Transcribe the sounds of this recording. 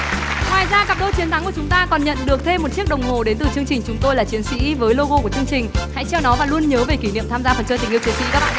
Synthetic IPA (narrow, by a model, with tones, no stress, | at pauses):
ŋwaː˨˩jzaː˧ka˨˩p̚ɗo˧t͡ɕi˨˦ət̪ʰa˨˦ku˧˩ət͡ɕʊ˨˦ŋ͡mt̪aː˧kɔ˨˩nɲə̰˧˨nɗɨ˨˩ək̚t̪ʰe˧mːo˨˩t̚t͡ɕi˦˥ək̚ɗə˨˩wŋ͡mɦo˨˩ɗe˨˦nt̪ɨ˨˩t͡ɕɨ˧əŋt͡ɕï˨˩ŋ̟t͡ɕʊ˨˦ŋ͡mt̪o˧jlaː˨˩t͡ɕi˨˦ənsḭ˧˥vəː˨˦jlo˧ɣo˧ku˧˩t͡ɕɨ˧əŋt͡ɕï˨˩ŋ̟ha̰˧˥jt͡ɕɛ˧wnɔ˨˦vaː˨˩lu˧ənɲəː˨˦ve˨˩ki˧˩nḭ˧˨əmt̪ʰaː˧zaː˧fə˨˩nt͡ɕəː˧˩t̪ï˨˩ʔət͡ɕi˨˦əsḭ˧˥kaː˦˥k̚ɓ̰ː